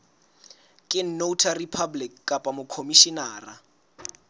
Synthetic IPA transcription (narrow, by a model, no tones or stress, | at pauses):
kʼɪn̩noutʰaripʰablikkʼːapʼamʊkʰomiʃinaːra